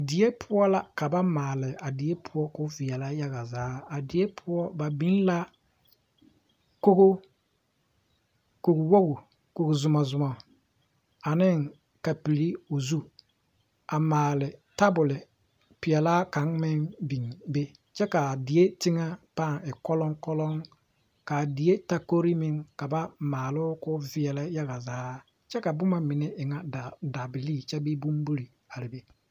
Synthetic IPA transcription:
dɪ˨e˦pʰʊ˦ɔ˦la˦ka˨ba˦maː˨lɪ˨a˨dɪ˨e˦pʰʊ˦ɔ˦kʊ˦vi˨ɛ˨la˦ja˦ɣa˨zaː˨˦a˨dɪ˨e˦pʰʊ˦ɔ˦ba˨bi˦n˦la˦ | ko˦ɣo˦ | ko˨kwo˦ɡo˨ | ko˨kzʊ˨ma˨zʊ˨ma˨ | a˨nɪ˦ŋ | ka˨pi˨li˦o˨zu˦ | a˨maː˨lɪ˨ta˦bʊ˨lɪ˨ | pɪ˨ɛ˨laː˦ka˨˦ŋmɪ˦ŋbi˨ŋbe˦ | t͡ʃɛ˦ka˨di˨e˦ti˦ŋa˦paː˦˨ŋɪ˨kɔ˦lɔ˦ŋkɔ˦lɔ˦ŋ | ka˨di˨e˦ta˦ko˦ɾi˦mɪ˦ŋka˨ba˦maː˨lʊ˦kʊ˦vɪ˦ɛ˨lɛ˦ja˦ɣa˨zaː˨˦ | t͡ʃɛ˦ka˨bʊ˦ma˨mɪ˨nɛ˦ʔɪ˨ŋa˦da˨da˨bɪ˨liː˦˨t͡ʃɛ˦bɪ˦bu˦m˦bu˦ɾi˨ | a˨ɾɪ˨be˦

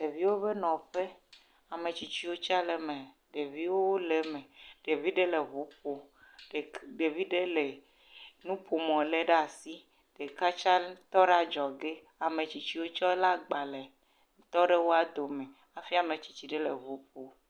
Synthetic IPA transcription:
ɖe˨vi˦wo˦be˦nɔ̃˨ɸe˦ | a˨mẽ˨t͡ʃi˨t͡ɕi˦wo˦t͡ʃa˦le˨mẽ˨ | ɖe˨vi˦wo˦wo˦le˨˦mẽ˨ɖ̥e˨vi˦ɖe˦le˨vu˨˦po˦ɖe˨ɖe˨vi˦ɖe˦le˨ | nũ˦po˨mɔ̃˨le˦ɖa˨si˦ | ɖ̥e˨ka˦t͡ʃa˦t̪ɔ˦ɖa˦d͡ʒɔ˨ɡe˦ | a˨mẽ˨t͡ɕi˨t͡ɕi˦wo˦t͡ʃɔ˦e˦la˦ɡ͡ba˨le˨˦ | t̪ɔ˦ɖe˦wo˦a˨d̪o˨mẽ˨ | a˨fi˦a˨mẽ˨t͡ɕi̥˨t͡ɕi˨ɖe˦le˨vu˨˦po˨

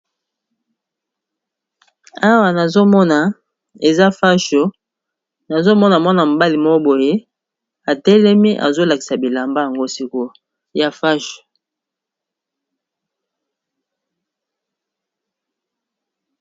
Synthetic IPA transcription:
a˦wa˨na˨zo˦mɔ˦na˨ | e˨za˦fa˦ʃo˨ | na˨zo˦mɔ˦na˨mɔ˦na˨mo˨ba˦li˨mo˦bo˨je˦ | a˨tɛ˦lɛ˦mi˦ʔa̰˨zo˦la˨ki̥˨sa˨bi˨la˨mba˦ja˨ŋɡo˦si˦ko˦ | ja˨fa˦ʃo̥˨

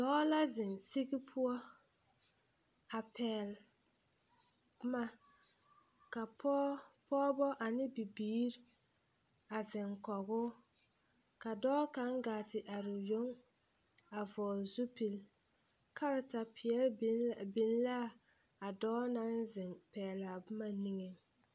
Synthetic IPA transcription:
dɔː˦la˦zɪ˨nsi˦ɣi˦pʰʊ˦ɔ˦ | a˨pʰɛː˨l | ma˦ | ka˨ppɔː˦bɔ˦ʔa˨nɪ˦bi˨biː˦ɾ | a˨zɪ˨ŋkɔ˨ɣʊː˦ | ka˨dɔː˦ka˨˦ŋɡaː˨tɪ˨ʔa˨ɾʊ˨jo˦ŋ | a˨vɔː˨lzu˦pi˨l | kʰa˦ɾɪ˨ta˨pʰɪ˨ɛ˦lbi˨n˦la˦ | a˨dɔː˦na˦nzɪ˨ŋpɛː˨la˨bʊ˦ma˦ni˦ŋe˨

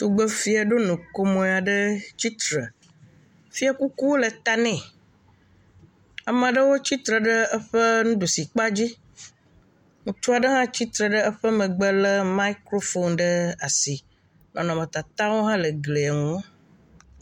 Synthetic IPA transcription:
t̪u˨ɡ͡bə˦fi˦a˨ɖo˦nũ˨ko˦mõ˨a˨ɖə˦t͡ɕi˦t̪ɾə̰˨ | fi˦a˨ku˦ku˦wo˦lə˨t̪a˨nɛ̃˦˨ | a˨mẽ˨ɖə˦wo˦t͡ɕi˦t̪ɾə˨ɖə˦ə˦ɸə˦nũ˦ɖu˨si˨k͡pa˦d͡ʑi˦ | ŋũ˨t̪u˦a˨ɖə˦ɦã˦t͡ɕi˦t̪ɾə˨ɖə˦ə˦ɸə˦mə̃˨ɡ͡bə˦lə˦ma˦i˦kɾo˦fo˦nɖə˦a˨si˨ | nɔ̃˨nɔ̃˨mə̃˨t̪a˨t̪a˦wo˦ɦã˦lə˨ɡle˨a˨ŋũ˨wo˦

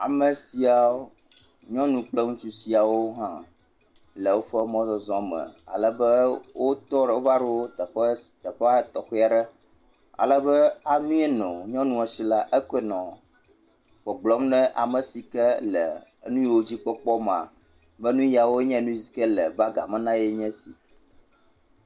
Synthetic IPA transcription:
a̰˨mə˨si˨a˨wo˦ | ɲɔ̃˦nũ˨k͡plə˦ŋũ˦t͡ʃu˦si˨a˨wo˦ɦã˦ | lə˨wo˦ɸə˦mɔ̃˦zɔ˨zɔ̃˦mə̰̃˨a̰˨lə˨bə˦wo˦t̪ɔ˦ɖo˦va˦ɖɛ˦wo˦t̪ə˨ɸɛ˦t̪ə˨ɸɛ˦a˦t̪ɔ˨xe˦a˨ɖɛ˦ | a̰˨lə˦bə˦a˨nũ˦ɛ˦nɔ̃˨ɲɔ̃˦nũ˦ɛ˨si˨la˦ʔɛ˦ke˦nɔ̃˨ | ɸɔ˨ɡ͡blɔ˦mnɛ̃˦ʔa˨mə˨si˨kɛ˦lə˨˦nũ˦jwo˦d͡ʑi˦k͡pɔ˦k͡pɔ˦m˨ã̰˨ | bə˦nũ˦ji˦a˨wo˦ɲɛ̃˦nũ˦zi˨kɛ˦lə˨ba˦ɡa̰˨mɛ̃˦nã˦jɛ˦ɲɛ̃˦sḭ˨

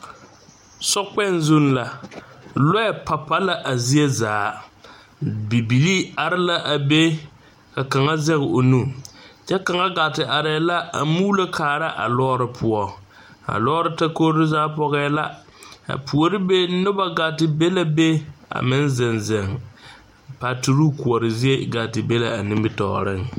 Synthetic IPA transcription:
sɔ˦k͡pɛ˦nzu˦n˦la˨ | lɔ˦ɛ˨pa˨pa˦la˦ʔa˨zi˦e˦zaː˨˦ | bi˨bi˨li˦a˨ɾɪ˦la˦ʔa˨be˦ | ka˨ka˨ŋa˦zɛ˦ɣɪ˨o˨nu˦˨t͡ʃɛ˦ka˨ŋa˦ɡa˨tɪ˨ʔa˨ɾɛ˨˦la˦ʔa̰˨muː˦la˦kʰaː˨ɾa˦ʔa̰˨lɔː˦ɾɪ˨pʰʊ˨ɔ˨ | a̰˨lɔː˦ɾɪ˦ta˦ko˦ɾɪ˦zaː˦pɔ˦ɣɛː˦la˦ | a̰˨pʰu˨ɔ˨ɾɪ˦be˦nʊ˦ba˦ɡa˨tɪ˨be˦la˦be˦a̰˨mɪ˦n˦zɪ˨nzɛ˨ŋ | pa˨tu˦ɾu˦ku˨ɔ˨ɾɪ˨zi˦e˦ɡa˨tɪ˨be˦la˨a˨nɪ˦bɪ˦tɔ̰˨ɾɪ˦ŋ

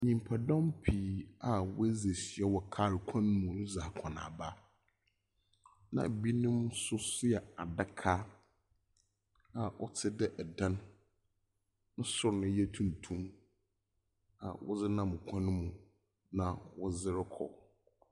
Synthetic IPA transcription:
ɲĩ˨m˨pʰa˨dɔ̃˦mpʰi˨a˨wʊ̰˦æ˦ze˨si˨ɛ˦wɔ˨kʰa˦ɾkʷʰã˦nʊ̃˦mũ˨nʊ̃˦za˨kʰã˨nã̰˨ba˦ | nã̰˨bi˦nʊ̃˦m˦sʊ˦sɪ˦ɛ˨a˨da˦kʰa˦ | a˨ʔɔ̰˦tʰɪ˦dɪ˦ʔɛ˨dã˦n | n̩˦sʊ˦ɾnʊ̃˦jɛ˦tʰũ˨n˨tʰũ˦m | a̰˨wɔ̰˦zɪ˦nã˦˨m˨kʷʰã˦nʊ̃˦mũ˨ | nã˨wɔ˦zɪ˦ɾɪ˦kʰɔ̰˨

